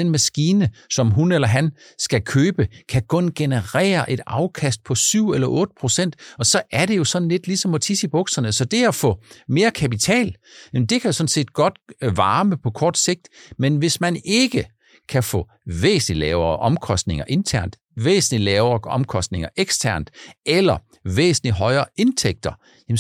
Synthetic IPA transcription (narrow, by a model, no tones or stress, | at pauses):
d̥enmæsɡ̥iːnəsɒ̽mɦunelɐɦæn | sɡ̥ækʰøːb̥əkʰækʰɔ̽nɡ̥e̝nəʁɛ̰ːɐʔe̝d̥ɑ̈ʊkʰæsd̥̚pʰɒ̽syʊ̰elɐʔɔ̽ːd̥əpʰʁo̝sen̰d̥ɒ̽sɒ̽ʔæɐɾe̝jo̝sɒ̽dn̩led̥lisɒ̽mɒ̽t͡sʰisib̥ɔ̽ɡ̥sɐnəsɒ̽d̥e̝æfɔ̰̽me̝ːɐkʰæpit͡sʰɛ̰ːljm̩d̥e̝kʰæjosɒ̽n̩se̝̰ːd̥ɡ̥ɒ̽d̥ʋɑ̈ːməpʰɒ̽kʰɒːd̥se̝ɡ̥̚d̥menʋe̝smæne̝ɡ̥ə | kʰæfɔ̰̽ː | ʋḛːsn̩lilɛːʊɐʔɒ̽mkʰɒ̽sd̥ne̝ŋɐʔe̝nt͡sʰæɐ̰nd̥ | ʋḛːsn̩lilɛːʊɐːɒmkʰɒ̽sd̥ne̝ŋɐʔeɡ̥stʰæɐ̰nd̥ʔelɐ | ʋḛːsn̩liɦɒ̽ɪɐːe̝nt͡sʰeɡ̥̚d̥ɐ | jm